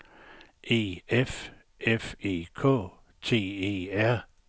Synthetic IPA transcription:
ʔe̝̰ːef | ʔefe̝̰ːkʰɔ̰ː | t͡sʰe̝̰ːeːæɐ̰

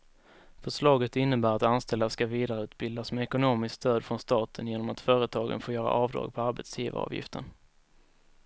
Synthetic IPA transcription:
fœʂlɑːɡət̪ɪnːəbæːɾat̪anst̪ɛld̪askaviːd̪aɾəʉ̟ːt̪̚bɪld̪asmɛɛkʊnoːmɪskst̪øːd̪fɾɔnst̪ɑːt̪ʰənjeːnɔmat̪fœːɾət̪ʰɑːɡə̰nfoːjœːɾa̰ʔɑːvd̪ɾɑ̰ːɡ̚pʰɔaɾbɛ̰t̪sjḭːva̰ɑ̰ːvjɪ̰ft̪ʰə̰n

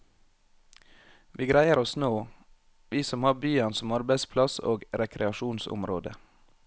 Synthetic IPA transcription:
ʋʔiːɡɾæɪəɾɔsnoː | ʋiːsɔmhɑːbyːɑnsɔmɑɾbæɪspʰlɑso̰ːɡɾɛkʰɾɛɑʃuːnsʊ̰mɾo̰ːd̪ə̰

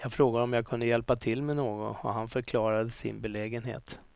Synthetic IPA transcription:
jɑːɡfɾoːɡad̪əɔmjaːkʰɵnd̪əjɛlpat̪ʰɪlːmɛnoːɡɔ̰nɔ̰ɦanfœɾkʰlɑːɾad̪əsɪ̰nbɛlɛːɡənɦḛːt̪

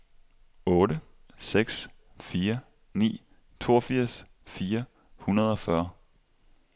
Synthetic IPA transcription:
ɔ̽ːɾə | seɡ̥s | fiːɐ | nḭː | t͡sʰo̝̰ːɐfiɐ̰s | fiːɐ | hunɐð̞ˠɒ̽fɶɐ

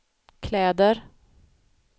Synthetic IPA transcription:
kʰlɛːd̪əɾ

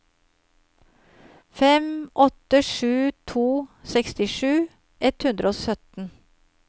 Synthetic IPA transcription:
fɛmʔɔt̪əʃʉːt̪ʰuːsɛkst̪ɪʃʉː | ʔɛt̪hʉnd̪ɾəoːsœt̪n̩

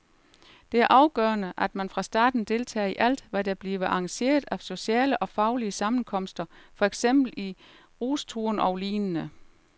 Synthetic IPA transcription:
d̥e̝æɐʔɑ̈ʊɡ̥œːɐnəʔæd̥mænfʁɑ̈sd̥ɑ̰̈ːd̥n̩d̥e̝lt͡sʰɛ̰ːiʔæl̰d̥ʋæd̥æb̥liːʋəʔɑ̈ŋɕe̝̰ːɐðˠæso̝ɕɛ̰ːləʔɒ̽fɑ̈ʊliəsɑ̈mn̩kʰɒ̽m̰sd̥ɐfɒ̽eɡ̥sem̰b̥l̩i | ʁuːst͡sʰuɐnɒ̽ʊliːnənə

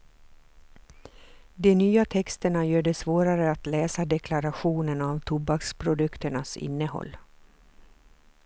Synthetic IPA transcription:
d̪ɛnyːat̪ʰɛkst̪əɳajœːɖɛsvoːɾaɾəat̪lɛːsad̪ɛkʰlaɾaɧuːnənavt̪ʰʊbakspʰɾʊd̪ɵkt̪əɳasɪ̰nːəhɔ̰lː

